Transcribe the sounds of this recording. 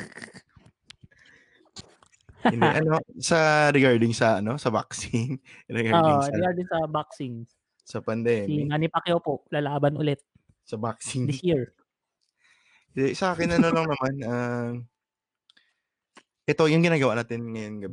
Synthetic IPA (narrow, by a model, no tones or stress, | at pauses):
ɪnd̪ɛʔɐno̞sɐɾɪɡaɹd̪ɪŋsɐʔɐno̞sɐba̰ksɪŋɾɪɡaoːʔoɾɪɡaɹd̪ɪŋsɐbaksɪŋ | sɐpɐnd̪ɛmiŋanɪpɐkjowpoʔlaːlaːbɐnʔʊ̰lɛt̪̚ | sɐbak̚sɪŋd̪ɪsjiɹ | ɪnd̪ɛsɐʔaːkɪnɐno̞lɐŋnɐmanʔɐm | ʔɛt̪o̞jʊŋɡɪnaːɡɐwaʔnaːt̪ɪnŋɐjonɡɐb